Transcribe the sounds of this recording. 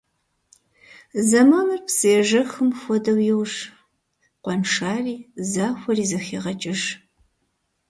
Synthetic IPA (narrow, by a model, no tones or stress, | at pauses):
zɐmaːnɐrpsɨjɛʒɐxɨmxʷɔdɐwjɪwʒ | qʷɔnʂaːriːzaːxʷɔriːzɐxeːʁɐt͡ʃʼɪʒ